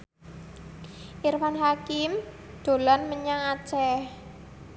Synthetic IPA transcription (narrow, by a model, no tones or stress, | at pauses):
ʔirfanɦakɪm | d̪̥o̤lɔnməɲaŋat͡ʃɛh